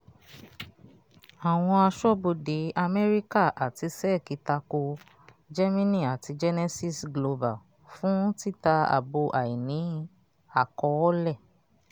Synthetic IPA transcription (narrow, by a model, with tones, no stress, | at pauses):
a˨w̃ɔ̃˧a˧ʃɔ˦˨bo˧de˨˦ʔa˧mɛ˦ɾi˦ka˦˨ʔa˨ti˧sɛ˦˨ki˧ta˧ko˧ | d͡ʒɛ˦mĩ˦nĩ˦˨a˨ti˧d͡ʒɛ˦nɛ˦si˦˨sɡlo˧ba˨ | fũ˦ti˦˨ta˧a̰˨bo˧ʔa˨i˨nĩ˨˦ | a˦˨kɔ˧ɔ˦lɛ˦˨